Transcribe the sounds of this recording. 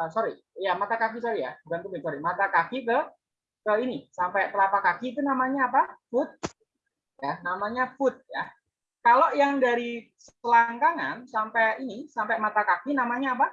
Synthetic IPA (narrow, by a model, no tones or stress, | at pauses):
əsoɾi | jamat̪akak̬is̬oɾija̰bukankubɪŋsoɾimat̪akakikə | kəinisampɛkəlapakakiːt̪̬unamaɲaːpafʊt̪̚ | janamaɲafʊt̪̚ja | kaloʔjaŋdaɾi | s | əlaŋkaŋa̰nsampɛinisampɛmat̪akakinamaɲaːpa